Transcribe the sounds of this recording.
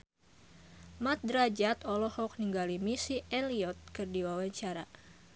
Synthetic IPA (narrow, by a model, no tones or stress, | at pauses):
mat̪̚dɾad͡ʒat̪ɔlɔhɔk̚niŋɡalimisiʔɛliɔt̪̚kɨrdiwawaɲt͡ʃaɾa